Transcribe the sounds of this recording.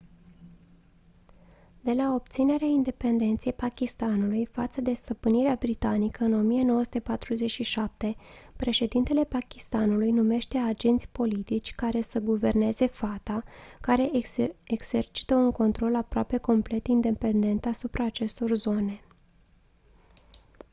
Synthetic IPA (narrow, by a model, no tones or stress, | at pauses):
d̪̥e̞lao̞p̚t̪sine̞ɾeaind̪e̞pe̞nd̪e̞nt̪sijejpakʲist̪anulujfat̪səd̪e̞st̪əpɨniɾeabɾit̪anikəɨno̞mije̞no̞wəsut̪e̞pat̪ɾuze̞t͡ʃʲʃiʃap̚t̪e̞pɾe̞ʃe̞d̪int̪e̞le̞pakʲist̪anulujnume̞ʃt̪e̞ad͡ʒe̞nt̪sʲpo̞lit̪it͡ʃʲkaɾe̞səɡuve̞rne̞ze̞fat̪akaɾe̞eɡz̥e̞rt͡ʃi̥t̪əuŋko̞nt̪ɾo̞lapɾoape̞ko̞mple̞t̪ind̪e̞pe̞nd̪e̞nt̪asupɾʔaːt͡ʃe̞st̪o̞rzo̞ne̞